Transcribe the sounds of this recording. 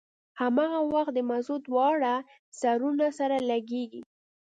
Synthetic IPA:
hamɑɣawaxt̪̚d̪əmazod̪wɑɽa | saɾunasaɾalaɡeɡi

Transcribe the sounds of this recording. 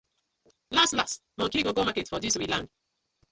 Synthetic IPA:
lastlas | mɔ̃kiɡoɡomaketfɔdiswilãnd

